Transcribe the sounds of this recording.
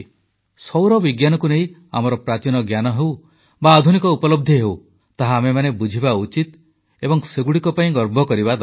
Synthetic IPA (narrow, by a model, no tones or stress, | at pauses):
sɔwɾɔbiɡjanɔkunei | a̰mɔɾɔpɾat͡ʃinɔɡjanɔɦew | baːd̪ʱunikɔupɔlɔb̚d̪ʱjiɦew | t̪aɦaːmemanebud͡ʒʱibaut͡ʃit̪ | ebɔŋseɡuɽikɔpaĩɡɔɾbʱɔkɔɾibad̪